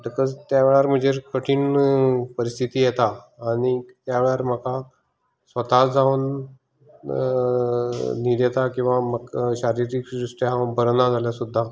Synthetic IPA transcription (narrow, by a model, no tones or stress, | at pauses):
ʈəkəd͡zt̪jaʋeɭaɾm̤əd͡ʑeɾkəʈʰiːnpəɾist̪ʰit̪iːjet̪aːɽ̃it̪jaʋeɭaɾm̤əka | sʋət̪ad͡zaʋn | niɾjet̪akĩw̃ʋaməɡɕaɾiɾikɾuʂʈeãbəɾnad͡zʱaljasud̪ʱːa